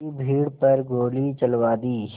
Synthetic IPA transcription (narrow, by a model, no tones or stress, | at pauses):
ibʱiːɽpɐɾɡoːlit͡ʃəlʋaːd̪iː